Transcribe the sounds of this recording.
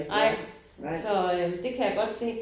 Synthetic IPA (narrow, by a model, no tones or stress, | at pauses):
ʔɑ̰̈ | sɒ̽ød̥e̝kʰæjaɡ̥ɒ̽d̥se̝̰ː